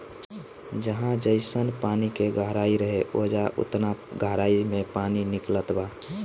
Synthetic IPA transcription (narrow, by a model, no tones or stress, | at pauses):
d͡ʒəɦãd͡ʒəɪsənpaːnikeɡəɦɾaːiɾəɦeʔoːd͡ʒaʔʊ̰t̪naɡʱəɦɾaːimẽpaːninɪklət̪ba